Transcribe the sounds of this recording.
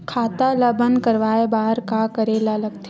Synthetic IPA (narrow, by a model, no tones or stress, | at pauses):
kʰaːt̪alabənkəɾʋaːebaːɦəɾkakəɾeːlalɐɡt̪ʰe